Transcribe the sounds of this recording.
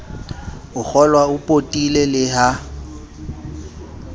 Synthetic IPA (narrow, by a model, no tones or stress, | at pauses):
ʊk͡xʰɔlwaʊpʼotʼilelɪɦa